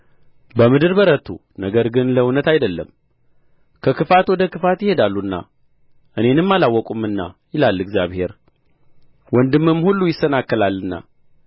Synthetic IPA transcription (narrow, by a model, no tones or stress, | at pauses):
bəmɨd̪ɨɾbəɾət̪ʰːṵ | nəɡəɾɡɨnləunət̪ajd̪əlːə̰m | kʰəkɨfat̪wɔd̪əkɨfat̪jɪhe̞d̪alːunːa̰ | ʔɨne̞nɨmːalawːɔkʼumɨnːa̰jɪlalːɨɡzjaβhe̞ɾ | wɔnd̪ɨmːɨmːhulːujɪsːənakːəlalːɨnːa̰